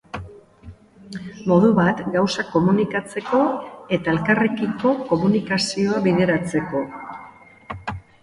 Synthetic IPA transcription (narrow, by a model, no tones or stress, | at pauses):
mo̞ðuβat̪ɡawsako̞munikat͡se̞ko̞e̞t̪ae̞lkarekiko̞ko̞munikasio̞aβiðeɾat͡se̞ko̞